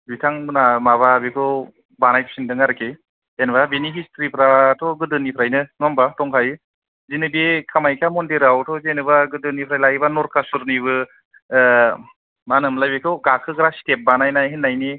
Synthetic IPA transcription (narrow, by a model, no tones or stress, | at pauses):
bitʰaŋbnamaβabekʰɯw | banajpʰi̥sindɯŋaɾɯkʰe | enbabiniɦistɾipʰɾatʰɔɡɯdɯnipʰɾajnɯŋɔmbatɔŋkʰajɯ | zinɯbekʰamajkʰamɔndeɾawtʰɔzenɯbaɡɯdɯnipʰɾajlaibanɔɾkʰasuɾniβɯ | manɯmlajbekʰɯwɡakʰɯɡɾasi̥tep̚banajnajɦinːajni